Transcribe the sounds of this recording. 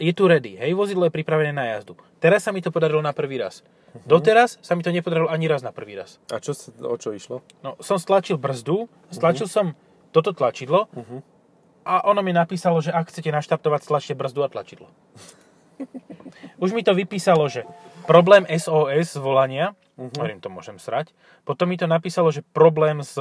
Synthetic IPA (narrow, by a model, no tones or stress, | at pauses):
jɛt̪uɾɛd̪iɦɛjʋɔzid̪lɔjɛpɾipɾaʋɛnɛːnaja̰zd̪u | t̪ɛɾasːamit̪ɔpɔd̪aɾilɔnapr̩ʋiːɾa̰s | d̪ɔt̪ɛɾasːamit̪ɔɲɛpɔd̪aɾilɔaɲiɾaznapr̩ʋiːɾa̰sa̰t͡ʃɔsɔ̰t͡ʃɔiʃlɔ | nɔsɔmst̪lat͡ʃilˠbr̩zd̪u | st̪lat͡ʃilˠsɔm | t̪ɔt̪ɔt̪lat͡ʃid̪lɔ | ʔaʔɔnɔmɛnapiːsalɔʒɛʔakxt͡sɛcɛnaʃt̪aɾt̪ɔʋacst̪lat͡ʃcɛbr̩zd̪uat̪la̰t͡ʃid̪lɔ | uʒmit̪ɔʋipiːsalɔʒɛpɾɔblɛːmʔɛzɔːɛzzʋɔlaɲɪa | ɔʋɛɾiːmt̪ɔmʊɔ̰ʒɛmsɾac | pɔt̪ɔmːit̪ɔnapiːsalɔʒɛpɾɔblɛːmz